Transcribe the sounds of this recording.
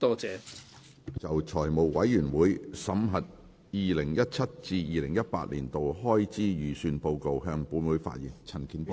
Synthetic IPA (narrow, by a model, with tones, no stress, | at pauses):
t̪ɔː˥t͡sɛː˨˧ | t͡sɐ˨˩wt͡ʃʰɔː˨˩jmo˨˩wwɐ˨˥jːyː˨˩nwuː˨˥jsɐ˨˥mɦɐ˨t̚ | jiː˨lɪ˨˩ŋjɐ˥t̚t͡sʰɐ˥t̚t͡siː˧jiː˧lɪ˨˩ŋjɐ˥t̚pa̰ː˧t̚liː˨˩nt̪o˨whɔː˥jt͡siː˥jyː˨˩syː˧npo˧wko˧wɦœː˧ŋpuː˨˧˥nwuː˨˥jfa̰ː˧t̚jiː˨˩nt͡sʰɐ˨˩nkʰiː˨˥np